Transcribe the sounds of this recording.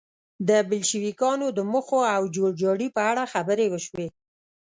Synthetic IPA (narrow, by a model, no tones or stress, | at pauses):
d̪əbəlʃiwikɑnod̪əməxoawd͡ʒoɽd͡ʒɑɽipəaɽaxabəɾewəʃwe